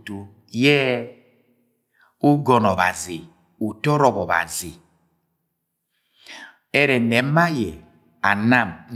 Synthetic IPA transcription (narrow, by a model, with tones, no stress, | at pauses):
tu˦ | jɛ˦ | u˦ɡɔ˨nɔ˨βa̰˨zi˨ | u˨tɔ˦ɾɔ˨bɔ˨ba̰˨zi˨ | e˦ɾɛ˨nɛ˨m̩˦ma˦jɛ˨ | a˨na˦˨m